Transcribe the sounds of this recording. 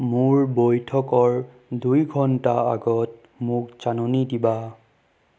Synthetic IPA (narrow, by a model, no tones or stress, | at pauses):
mʊɹbojtʰɔkɔɹ | dujɡʱɔntaa̰ɡɔt̚ | mʊkt͡ʃanonidiba